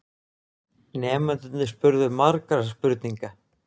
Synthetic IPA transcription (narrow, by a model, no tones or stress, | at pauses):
nɛːmant̪ʏt̪nɪspʏɾðʏmaɾkɾaspʏɾt̪niŋka